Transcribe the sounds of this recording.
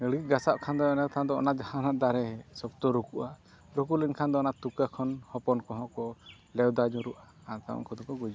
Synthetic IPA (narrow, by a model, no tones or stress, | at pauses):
ɡəɽɡit̪̚ɡasaʔkʰand̪ɔɛnakt̪ʰand̪ɔɔ̰naʔd͡ʒahanaʔd̪aɾɛsɔkt̪ɔɾukuʔa | ɾukulinkʰand̪ɔɔnaʔt̪ukakʰɔnhɔpɔnkɔɦɔ̃ʔkɔ | lɛwd̪ad͡ʒɔɾuʔa | at̪aɔ̰ŋkʰɔd̪ɔkɔɡud͡ʒu